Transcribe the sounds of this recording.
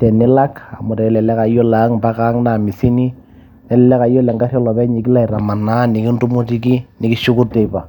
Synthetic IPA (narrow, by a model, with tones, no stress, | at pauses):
tɛ˨nɪ˦la˦ka˨mʊ˨ɾɛ˨ɛ˦lɛ˨lɛ˦ka˨˦jɔ˦la˨˦ŋba˦ka˦ŋna˨mi˨si˦ni˦ | nɛ˨lɛ˦lɛ˦ka˨˦jɔ˦lɛ˨ŋɡa˦rjɔ˦lɔ˨bɛ˦ɲi˨kɪ˦la˦˨i˨ɾa˨ma˨na˦nɪ˨ki˦ndu˦mu˦ti˦ki˦nɪ˨ki˦ʃu˦ku˦rtɛ˨pa˨